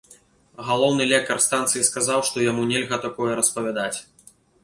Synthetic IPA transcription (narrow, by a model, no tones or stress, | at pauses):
ɣalˠɔwnɨlʲɛk̚t̪ɐrst̪ant̪sɨjiskazawʂt̪ɔjamunʲɛlʲɣɐt̪akɔjɛɾɐspɐvʲad̪at͡sʲ